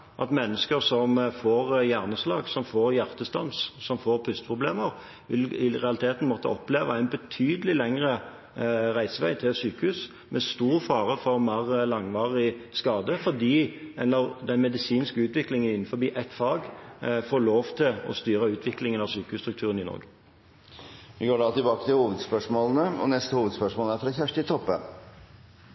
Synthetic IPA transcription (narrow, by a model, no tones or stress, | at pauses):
ʔɑt̪mɛnːəskəʁsɔmfoːʁjæʁnəslɑːɡsɔmfoːɾjæʁt̪əst̪ɑnssɔmfoːʁpʰʉst̪pʰʁʊbleːməʁ | ʋɪlɪʁɛɑlɪt̪ʰeːt̪n̩mɔt̪ːə̰ɔpleːʋəæɪnbət̪ʰyːd̪əlɪlɛŋʁə | ʁæɪsəʋæɪt̪ʰɪlsyːkəhʉːs | mʔɛst̪uːɾfɑːʁəfɔʁmæʁlɑŋʋɑːʁɪskɑːd̪əfɔd̪iːɛlːəʁd̪ɛnmɛd̪ɪsiːnskəʉːt̪ʋɪklɪŋənɪnn̩fɔbiːʔɛt̪fɑːɡfoːɭoːʋt̪ʰɪlɔ̰st̪yːɾəʉːt̪ʰʋɪklɪŋənɑʋsyːkəhʉːst̪ɾʉk̚t̪ʰʉːʁənɪnɔ̰ɾɡə | ʋɪɡoːɖɑːt̪ɪlbɑːkət̪ɪlhuːʋəd̪spœʂmoːlən̩əɔ̰nɛst̪əhuːʋəd̪spœʂmɔːləæɾfɾɑçæʂʈɪt̪ʰɔpːə̰